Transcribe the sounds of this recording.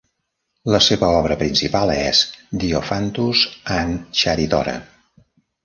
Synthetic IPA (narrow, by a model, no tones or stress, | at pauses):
ləseβəɔβ̞ɾəpɾinsipalˠɛzd̪iofant̪uzanʃaɾit̪ɔ̰ɾə̰